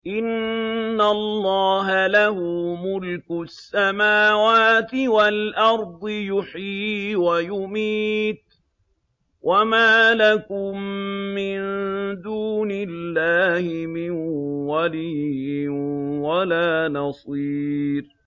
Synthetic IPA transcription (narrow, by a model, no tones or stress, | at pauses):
ʔɪnː | alːɑːɦalahʊmʊlkʊsːamaːwaːt̪ɪwalʔɑɾˤd̪ˤɨjʊħiːwajʊmiːt̪̚ | wʔamaːlakʊmːɪnd̪uːnɪlːaːhɪmɪnwalijɪwalaːnɑsˤiːɾ